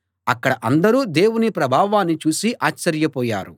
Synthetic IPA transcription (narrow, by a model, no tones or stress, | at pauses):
ɐkːɐɽɐʔɐnd̪ɐɾuːd̪e̞ːwunipɾɐbʱaːʋaːnːit͡ʃuːsiʔaːt͡ʃːɐɾjɐpɔːja̰ːɾu